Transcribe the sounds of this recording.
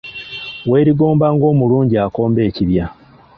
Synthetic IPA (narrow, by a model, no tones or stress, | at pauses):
we̞ːɾiɡo̞ːmbaːŋɡo̞ːmuluːɲɟiako̞ːmbe̞ːciβja